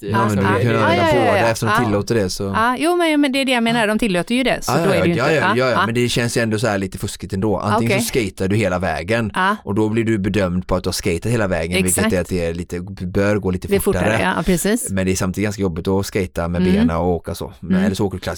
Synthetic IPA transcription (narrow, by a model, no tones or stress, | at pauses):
jɑmɛnɵalkʰɵnːaɛfoɛɛft̪əʂɔmdt̪ɪlːoːt̪əɖɛsɔjuːmɛnjmɛnd̪ɛæɖɛjameːnaɾɖɔmt̪ʰɪlːoːt̪əjɵd̪ɛ̰sːjjɑːjɑmɛnd̪ɛɕɛnsjɵɛnd̪ɔs̬ɔhæːɭiːt̪əfɵskɪt̪ɛnd̪oːʔa̰nɪŋənsɔskɛjt̪aɖɵheːlavɛ̰ːɡənːʔɔd̪ɔblɪɖɵbɛd̪œmd̪pʰɔat̪̚d̪ɵhaʂskɛjt̪at̪heːlavɛːɡənvɪlkːət̪ɛɾat̪̚d̪ɛæɭiːt̪əbœɾɡoːliːt̪əfʊʈfʊːaɾəpɾɛsiːsmɛnd̪ɛʂamt̪id̪ɡanskajɔbːɪt̪ɔskɛjt̪amɛbeːnaɔoːkaso̰ːɛlːəʂɔoːkaɾkʰlas